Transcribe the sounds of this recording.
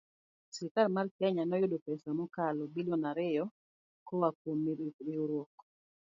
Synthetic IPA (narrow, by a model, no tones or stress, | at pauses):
sikarmarkjaɲanɔjʊdɔpɛsamɔkalɔbilɔnaɾɪjɔ | kɔwakwomːiɾɪoɾwɔk